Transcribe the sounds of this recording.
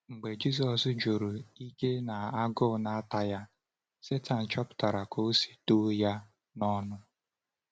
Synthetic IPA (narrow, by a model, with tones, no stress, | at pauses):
ŋ͡m̩˨ɡ͡be˨d͡ʒi˦s̬ɔ˨sd͡ʒo˨ɾo˨i˦ke˦na˨a˦ɡʊ˦˨na˨a˦ta˨ja˦ | se˦ta˨n̩˨t͡ʃɔ˦pʊ̥˨ta˨ɾa˨ko˦si̥˨to˦ja˦ | nɔ˦nʊ˦